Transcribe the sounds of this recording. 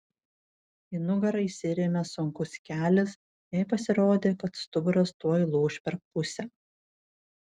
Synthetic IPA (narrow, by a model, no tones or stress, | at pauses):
inʊɡɐɾɐɪsʲɪɾʲemʲɛsʊŋkʊsʲkʲæːlʲɪs | jɛjpɐsʲɪɾoːd̪ʲeːkɐt̪st̪ʊbʊɾɐst̪uɔlˠuːʃʲpʲɛɾk̚pʊsʲɛ